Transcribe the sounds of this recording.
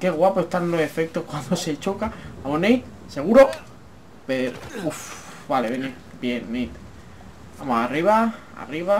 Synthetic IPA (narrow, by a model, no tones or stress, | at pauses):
ke̞ɣwapoeht̪anlo̞se̞fe̞k̚t̪o̞hkwand̪o̞se̞t͡ʃo̞kaaβonejt̪ | se̞ɣ̞uɾo̞ | peɾoufβaleβene | bje̞nnejt̪ | bamosariβ̞a | a̰riβa